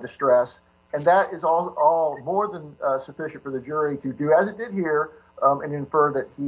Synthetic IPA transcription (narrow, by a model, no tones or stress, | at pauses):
ðɨstɹ̥ɛs | ɨ̃nðəɾɪzɔlˠɔlˠmɔɹðə̃nsɨfɪʃɨ̃ntfə˞ðɨd͡ʒʊɹiɾɨdɨɨzɨt̚d̥ɨd̚hiɹ | ɨ̃nɨ̃ɱfɜ˞ðɨt̚hi